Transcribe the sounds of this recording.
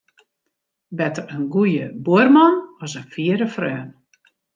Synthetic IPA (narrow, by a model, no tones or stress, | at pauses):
bɛtərənɡujəbuərmɔnɔsənfiəɾəfrœːn